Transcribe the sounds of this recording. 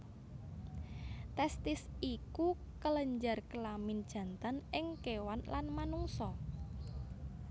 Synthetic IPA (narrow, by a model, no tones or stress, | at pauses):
t̪ɛst̪ɪsiku | kələɲd͡ʒarkəlamɪnd̥ʒ̥ä̤nt̪anɪŋkewanlanmanuŋsɔ